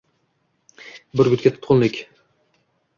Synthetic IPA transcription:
bɪɾɡʊt̪kʲat̪ʰʊ̥t̪qʰʊnlɪkʲ

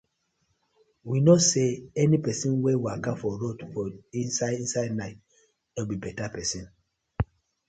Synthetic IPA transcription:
winoseɛnipɛsĩnwɛwiakãfɔɹotfɔĩnsaĩnsaɪdnaɪt | nobibɛtapɛsĩn

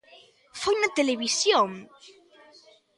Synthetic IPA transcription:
fojnat̪eleβisjoŋ

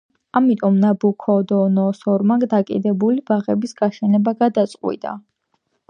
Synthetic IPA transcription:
amit̪ʼɔmnabukʰɔd̪ɔnɔsɔɾmaɡd̪akʼḭd̪ɛbulibaʁɛbisɡaʃɛnɛbaɡad̪at̪sʼqʼwḭd̪a̰

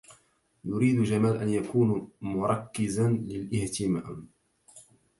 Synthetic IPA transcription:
jʊɾiːd̪ʊd͡ʒamaːlʔanjakuːnmʊɾˤɑkːɪzanlɪlʔɪht̪ɪma̰ːm

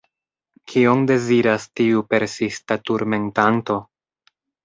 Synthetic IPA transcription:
kʰionde̞ziɾastiupe̞ɾsistatuɾme̞ntanto̞

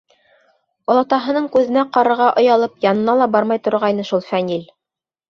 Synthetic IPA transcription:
olˠɑt̪ɑɦɤ̆nɤɴkʉðɘ̆næqɑɾɤ̆ɾʁɑʔŏjɑlˠɤpjɑnɤ̆nɑlˠɑbɑɾmɑjt̪ŏɾʁɑjnɤʃulˠfænʲil

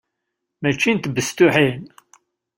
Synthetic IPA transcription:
mæt͡ʃːint̪əbəst̪uħin

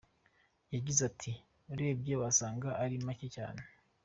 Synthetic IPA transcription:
jaɟizatʰi | uɾe̞ːb̚jeβasaːŋɡaʔːɾimaceca̰ːne

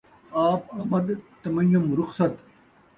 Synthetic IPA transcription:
aːpɐmɐd̪t̪ɐmɐjumɾʊxsɐt̪

